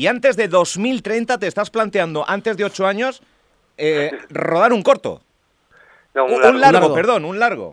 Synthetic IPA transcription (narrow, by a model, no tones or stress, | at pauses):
iant̪e̞zðe̞ðo̞zmilt̪ɾe̞jnt̪at̪e̞ːst̪asplant̪eand̪o̞ʔant̪e̞zðe̞o̞t͡ʃoaɲo̞s | ero̞ðaɾuŋko̞ɾt̪o̞̰ | unlaɾɣoɣpeɾðo̞nunlaɾɣ̞o̞̰